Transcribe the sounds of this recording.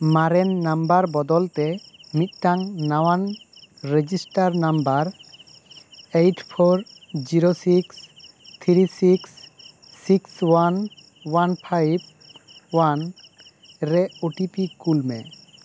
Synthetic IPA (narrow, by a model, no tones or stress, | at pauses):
maɾɛnːambaɾbɔd̪ɔlt̪ɛmit̪̚ˀʈaŋnawanɾed͡ʒisʈaɾnambaɾ | ejʈʰpʰoɾd͡ʒiɾosiks | t̪ʰɾisiksː | ikswan | wanpʰajb̚ | wan | ɾɛoʈipikulmɛ̰